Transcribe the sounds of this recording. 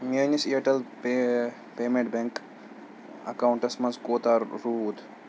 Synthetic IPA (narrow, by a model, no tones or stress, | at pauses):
meːnisiɐʈɐlpe | peːmeɳʈ̚bẽŋk | ɐ̰kaʊɳʈɐsmɐnskoːt̪aːɾːuːd̪